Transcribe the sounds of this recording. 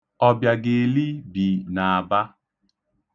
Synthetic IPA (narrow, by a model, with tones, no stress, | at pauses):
ɔ˦bja˨ɡe˨li˦bi˨na˨a˨ba˦